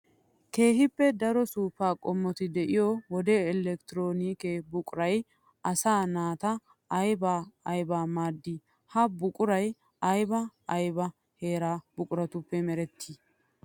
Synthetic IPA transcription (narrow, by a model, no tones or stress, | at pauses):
ke̞ːɦɪpːɛd̪ɐɾɔsuːfaːkʼɔmːɔt̪ɪd̪ɛʔɪjɔwɔd̪eːɛlɛkt̪ɪɾoːniːkebʊkʼʊɾɐj | ɐsaːnaːt̪ɐː | jbaːɐjbaːmaːd̪ːi | hɐbʊkʼʊɾɐj | ɐjbɐɐjbɐ | he̞ːɾaːbʊkʼʊɾɐt̪ʊpːɛmɛɾɛt̪ʰːiː